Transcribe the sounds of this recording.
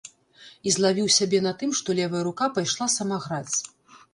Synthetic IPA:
izlˠavʲiwsʲabʲɛnɐt̪ɨmʂt̪ɔlʲɛvɐjɐɾukapajʂlˠasɐmaɣɾat͡sʲ

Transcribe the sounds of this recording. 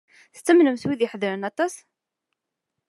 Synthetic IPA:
θt͡s̪ːəmnəmswiðjəħəðɾənɑt̪ˤɑs

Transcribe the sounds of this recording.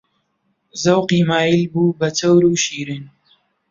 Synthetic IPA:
zɐwqiːmaːjilbuːbɐt͡sʰɐwɾuːʃiːɾin

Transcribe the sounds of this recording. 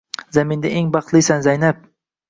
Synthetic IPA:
zamɪnd̪aʔeŋbɑχt̪lˠisanzajnap̚

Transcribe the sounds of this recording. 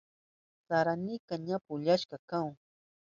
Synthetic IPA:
saɾanɪkaɲapʊʎaʃkakaŋ

